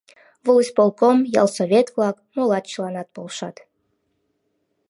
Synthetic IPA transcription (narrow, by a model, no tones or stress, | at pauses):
vɨlˠɨsʲpolˠkomjɑ̰lˠsovʲet̪vlˠɑkmolˠɑt̪t͡ɕlˠɑnɑt̪̚polˠʃɑt̪